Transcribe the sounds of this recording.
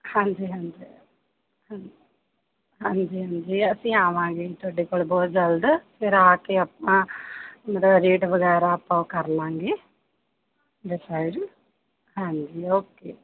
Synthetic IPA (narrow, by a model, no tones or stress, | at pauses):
hãːɲd͡ʒiːɦãːɲd͡ʒiː | hã | ɦãːɲd͡ʒiːɦãːɲd͡ʒiːəsĩːaːʋãːɡeːt̪oɖiːkoːɭbɔːt̪̚d͡ʒəld̪fɪɾaːkeːəpnãːmɐt̪əbɾiːʈʋəɡɛːɾaːɐpːãːkəɾlãːŋɡeː | ɖɪsaːɪɖ | ɦãːɲd͡ʒiːoːkeː